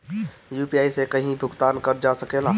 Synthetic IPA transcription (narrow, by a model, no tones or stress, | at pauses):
jupijaːisekəɦĩbʱʊɡt̪aːnkəɾd͡ʒasəkeːla